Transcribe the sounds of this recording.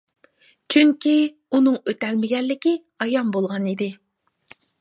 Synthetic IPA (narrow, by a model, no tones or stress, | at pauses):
t͡ʃʰyŋkʲi | unɨŋøt̪ɛlmɪɡʲɛlːɪkʲi | ɑjɑmbolˠʁɑnid̪ɪ